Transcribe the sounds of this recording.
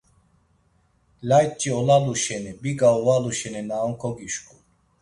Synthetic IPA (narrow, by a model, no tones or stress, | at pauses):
laj̚t͡ʃʼiɔlaluʃɛnibiɡaɔvaluʃɛninaɔŋkʰɔɡiʃkʰʼu